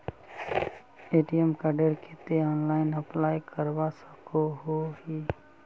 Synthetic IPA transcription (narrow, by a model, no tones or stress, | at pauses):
eːʈijəmkaɖeɾkʰet̪eɔːnlaːɪnəplaːjkʰəɾʋasə̥koɦoːɦiː